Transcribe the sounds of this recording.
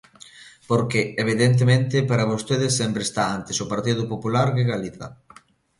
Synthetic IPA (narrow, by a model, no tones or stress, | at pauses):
poɾkeːβ̞iðent̪̬emẽnt̪ɪpaɾaβ̞ost̪eð̞ɪsːempɾest̪aant̪esʊpaɾt̪iðʊpopulaɾðeɣaliθa̰